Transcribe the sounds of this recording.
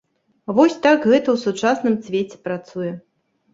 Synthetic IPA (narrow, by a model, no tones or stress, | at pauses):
vɔsʲt̪akɣɛt̪ɐwsut͡ʂasnɨmsʲvʲet͡sʲɛ̥pɾat̪sujɛ